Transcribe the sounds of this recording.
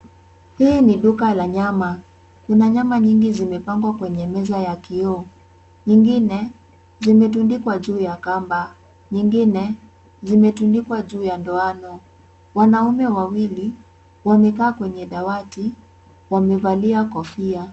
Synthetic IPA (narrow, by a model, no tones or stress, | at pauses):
hiːniɗukalaɲama | kunaɲamaɲiŋɡizimɛpaŋɡwakwɛɲɛmɛzajakiɔ | ɲiŋɡinɛ | zimɛtundikwaʄuːjakamba | ɲiŋɡinɛ | zimɛtundikwaʄuːjandɔanɔ | wanaumɛwawili | wamɛkaːkwɛɲɛɗawati | wamɛvaliakɔfia